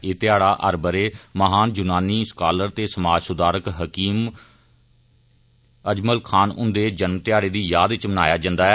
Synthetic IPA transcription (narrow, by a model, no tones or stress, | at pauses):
eːt̪ɪjaːɽaːʔəɾbəɾeːməɦaːnd͡ʒʊnaːniːskaːləɾt̪eːsəmaːd͡ʒsʊd̪aːɾəkɦəkiːm | əd͡ʒməlkʰaːnʊ̰̃nd̪eːd͡ʒənmt̪ɪjaːɽeːd̪iːjaːd̪ɪt͡ʃməna̰ːjaːd͡ʒə̃nd̪aːɛː